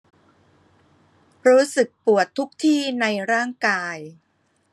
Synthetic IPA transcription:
ɾuː˦˥sɯ˨˩k̚pu˨˩ət̪ʰːu˦˥k̚t̪ʰiː˥˩na˧jɾaː˥˩ŋkaː˧j

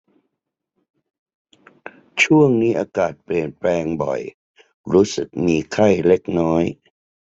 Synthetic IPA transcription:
t͡ɕʰu˥˩əŋniː˦˥ʔaː˧kaː˨˩t̪̚pli˨˩ənplɛː˧ŋbɔ̰˨˩j | ɾuː˦˥sɯ˨˩k̚miː˧kʰa˥˩jle˦˥k̚nɔː˦˥j

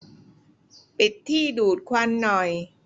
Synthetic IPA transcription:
pi˨˩t̪ʰːiː˥˩duː˨˩t̪̚kʰwa˧nːɔ˨˩j

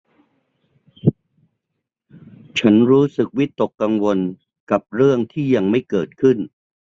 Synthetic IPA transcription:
t͡ɕʰa˦˥nɾuː˦˥sɯ˨˩k̚wi˦˥t̪ːo˨˩kːa˧ŋwo˧n | ka˨˩p̚ɾɯ˥˩əŋt̪ʰiː˥˩ja˧ŋma˥˩jkɤː˨˩t̪̚kʰɯ˥˩n

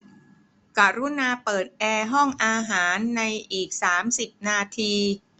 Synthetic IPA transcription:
ka˨˩ɾu˦˥naː˧pɤː˨˩t̪̚ʔɛː˧ɦɔ˥˩ŋʔaː˧ɦaː˩˦nːa˧jʔiː˨˩k̚saː˩˦msi˨˩p̚naː˧t̪ʰiː˧

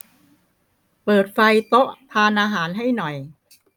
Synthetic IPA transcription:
pɤː˨˩t̪̚fa˧jt̪o˦˥ʔp̪ʰaː˧nʔaː˧ɦaː˩˦nɦa˥˩jnɔ˨˩j

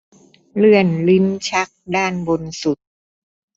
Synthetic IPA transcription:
lɯ˥˩ənli˦˥nt͡ɕʰa˦˥k̚daː˥˩nbo˧nsu˨˩t̪̚

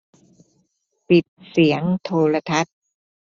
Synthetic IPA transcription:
pi˨˩t̪̚si˩˦əŋt̪ʰoː˧ɾa˧t̪ʰa˦˥t̪̚

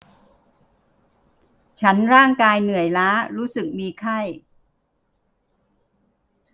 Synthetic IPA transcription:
t͡ɕʰa˦˥nɾaː˥˩ŋkaː˧jnɯ˨˩əjlaː˦˥ɾuː˦˥sɯ˨˩k̚miː˧kʰa˥˩j

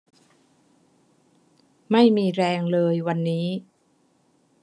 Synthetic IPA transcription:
ma˥˩jmiː˧ɾɛː˧ŋlɤː˧jwa˧nːiː˦˥

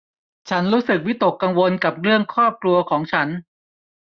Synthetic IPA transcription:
t͡ɕʰa˦˥nɾuː˦˥sɯ˨˩k̚wi˦˥t̪o˨˩kːa˧ŋwo˧nka˨˩p̚ɾɯ˥˩əŋkʰɾɔː˥˩p̚klu˧ɐkʰɔː˩˦ŋt͡ɕʰa˦˥n

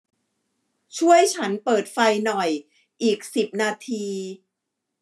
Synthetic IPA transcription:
t͡ɕʰu˥˩əjt͡ɕʰa˦˥npɤː˨˩t̪̚fa˧jnɔ˨˩j | ʔiː˨˩k̚si˨˩p̚naː˧t̪ʰiː˧

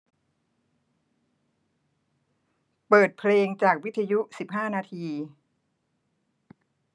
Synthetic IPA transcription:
pɤː˨˩t̪̚pʰleː˧ŋt͡ɕaː˨˩k̚wi˦˥t̪ʰːa˧ju˦˥si˨˩p̚ɦaː˥˩naː˧t̪ʰiː˧

